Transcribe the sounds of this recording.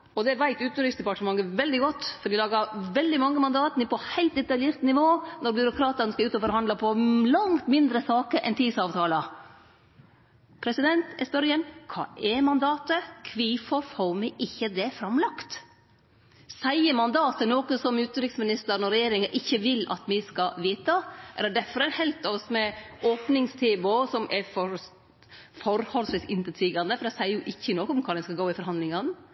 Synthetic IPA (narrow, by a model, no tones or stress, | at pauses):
ɔd̪ɛʋæɪt̪ʉːt̪n̩ɾɪksd̪ɛpɑʈəmɑŋːəʋɛld̪ɪɡɔt̪ːfɔɾɖ̪ɪlɑːɡəɾʋɛld̪ɪmɑŋːəmɑnd̪ɑːt̪ənəpʰɔhæɪlt̪ɛt̪ɑljeːɾt̪nɪʋoːnɔɾbjʏɾʊkʰɾɑːt̪əɾnəskɑʉːt̪ɔfɔɾhɑnd̪ləpʰɔlɑŋt̪mɪnd̪ɾəsɑːkəʔɛ̰nt̪ʰiːd̪sɑːʋt̪ʰɑːlə | pʰɾɛsɪd̪ɛnt̪ɛspœɾjənkʰɑ̰ːʔɛmɑnd̪ɑːt̪əkʰʋifɔɾfoɾmɛʔɪçːəd̪ɛfɾɑmlɑkt̪ | sæɪəɾmɑnd̪ɑːt̪ənoːkəsɔmʉːt̪əɾɪksmɪnɪst̪əɾnɔɾɛjeːɾɪŋəʔɪçːəʋɪlɑ̰t̪mɪskɑʋiːt̪ɑɛ̰læd̪æɾfɔɾɛɪnhɛlt̪ɑsmɛoːpnɪŋst̪ʰeːʋʊsɔmʔɛfɔɾ | fɔɾhɔlsʋɪsɪnt̪ət̪ʰiːɡɑnd̪əfɔɾæsæɪəɾjʊʔɪçːənoːkəɔmkʰɑːd̪ɛnskɑɡoːɪfɔɾhɑnd̪lɪŋən